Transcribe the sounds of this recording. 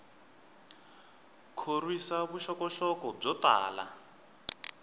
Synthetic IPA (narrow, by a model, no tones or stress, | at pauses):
kʰorwisaβuʃɔkɔʃɔkɔb͡ʐɔt̪a̰ːla̰